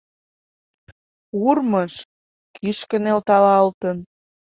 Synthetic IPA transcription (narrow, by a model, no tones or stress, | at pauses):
urməʃ | kʰiʃkə̆nelt̪ɑlɑɤlt̪ən